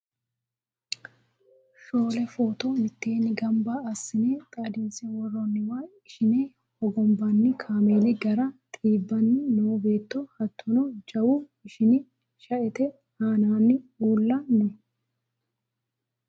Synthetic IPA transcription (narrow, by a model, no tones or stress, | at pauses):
ʃo̞ːlɛfoːt̪ɔmɪt̪ːeːnɪɡɐmbɐɐsːɪneːt̪ʼad̪ɪnsɛwɔrːɔnːɪwaːɪʃɪneː | hɔɡɔmbɐnːɪkʰaːmeːlɪɡɐɾɐt̪ʼiːbːɐnːɪnoːbe̞ːt̪ːɔhɐt̪ʰːɔnɔd͡ʒɐwu | ɪʃɪnɪ | ʃɐʔɛt̪ɛ | haːnaːnːɪuːlːɐnɛ